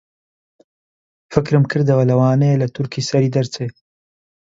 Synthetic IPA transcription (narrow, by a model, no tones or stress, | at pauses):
fɨkɾɨmkʰɨɾd̪ɐwɐlɐwaːnɐjelɐt̪ʰʊɾkʰiːsɐɾiːd̪ɐɾt͡seː